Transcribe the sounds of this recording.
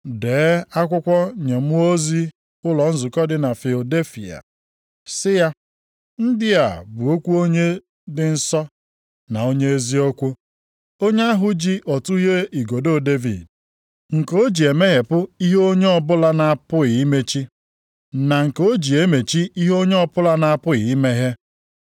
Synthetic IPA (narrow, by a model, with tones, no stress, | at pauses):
deː˨˦a˦kʷʊ˦kʷɔ˦ɲe˨m˦o˦zi˦ | ʊ˦lɔ˨n̩˦zʊ˨kɔ˦dɪ˨na˨fi˨lo˨de˦fḭ˨a̰˨ | sɪ˦ja˦ | n̩˦dɪ˦a˨bʊ˨o˦kʷu˦o˦ɲe˦ | dɪ˨n̩˦sɔ˦ | na˨o˦ɲe˦e˦zi˦o˦kʷu˦ | o˦ɲe˦a˦ɦʊ˦d͡ʒi˦ʔɔ˨tu˦ɦe˦i˨ɡo˨do˦˨de˦vḭ˨d | ŋ̩˨ko˦d͡ʒi˨e˨me˦ɦe˨pʊ˦i˦ɦe˦o˦ɲe˦ɔ˨bʊ˦la˦na˨a˦˨pʊ˦ɪ˨i˦me˦t͡ʃi˦ | na˨ŋ̩˨ko˦d͡ʒi˨e˦me˨t͡ʃi˦i˦ɦo˦ɲe˦ɔ˦pʊ˦la˦na˨a˦˨pʊ˦ɪ˨i˦me˦ɦe˦